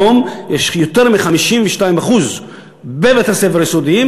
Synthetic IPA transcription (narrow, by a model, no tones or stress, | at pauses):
omjeʃjot̪eʁmiχamiʃimveʃtaimaχuz | bevet̪eʁsefeʁjisod̪iim